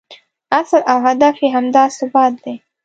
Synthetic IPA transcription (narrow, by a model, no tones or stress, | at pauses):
aslawɦad̪afeɦamd̪ɑsʊbɑt̪̚d̪̥ej